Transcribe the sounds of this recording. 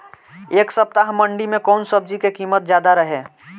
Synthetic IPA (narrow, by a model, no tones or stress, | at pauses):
eːksəp̚t̪aɦməɳɖimẽkɔːnsəb̚d͡ʒikekiːmət̪̚d͡ʒjaːd̪aɾəɦeː